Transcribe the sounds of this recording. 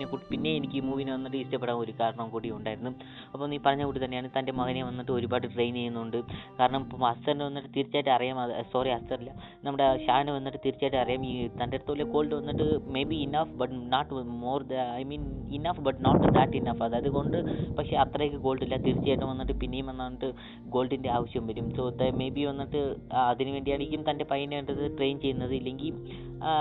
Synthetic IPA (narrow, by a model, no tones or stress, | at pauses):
ekuːʈːipinːe̞enikʲːɨːmuːʋinɨʋɐnːiʈːɨiʂtɐpːeɽaːmo̞ɾukaːɾɐɳɐmkuːɽijuɳɖaːjiɾunːu | ɐpːomniːpɐrɐɲːɐkuːʈit̪ɐnːejaːɳɨt̪ɐnde̞mɐɣɐnejʋɐnːiʈːɨo̞ɾubaːʈːɨʈrejnejunːuuɳɖɨkaːɾɐɳɐmpoɐst̪ɐɾnɨʋɐnːiʈːɨt̪iɾit͡ɕːaːjʈːɨɐrijaːmɐðsoːriɐst̪ɐrilːɐ | nɐmːuɽe̞ɕaːjnɨʋɐnːiʈːɨt̪iɾit͡ɕːajʈːɨɐrɐijaːmiːt̪ɐndeɾɐt̪ːɨoːlːeko̞ːɭʈɨʋɐnːiʈːɨme̞jbiːnɐfbɐʈnaːʈːmo̞ːrd̪ɐjmiːninɐfbɐʈnoːʈːd̪aʈːinɐfɐðɨɐðɨko̞ɳɖɨpɐkʂe̞ɐt̪rɐjekʲːɨɡo̞ːɭɖilːɐt̪iɾit͡ɕːaːjʈːɐmʋɐnːiʈːɨpinːe̞jumʋɐnːaːnːiʈːɨ | ɡo̞ːlɖinde̞aːʋɐɕjɐmʋɐɾumso̞ːt̪ɐme̞jbiʋɐnːiʈːɨɐðinɨʋe̞ːɳɖijaːɳikʲːumt̪ɐnde̞pɐjineːʈɐðɨʈre̞ːjnt͡ɕe̞jːunːɐðɨilːe̞ŋɡil